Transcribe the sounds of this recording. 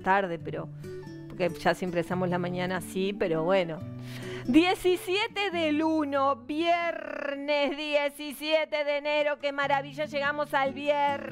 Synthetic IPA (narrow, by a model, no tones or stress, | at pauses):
t̪aɾðepeɾo̰ | poɾkeʒ̥asjempɾesamoslamãɲanasipeɾoβwenod̪je̞sisjet̪eðelunoβjeɾnezðjesisjet̪eðeneɾo̞kemaɾaβiʒaʒe̞ɣamo̞salβjeɾ